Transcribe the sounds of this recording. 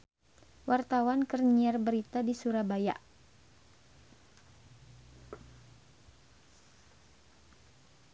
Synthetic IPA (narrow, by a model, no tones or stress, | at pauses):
wart̪awankərɲiarbəɾit̪adisuɾabaja̰ʔ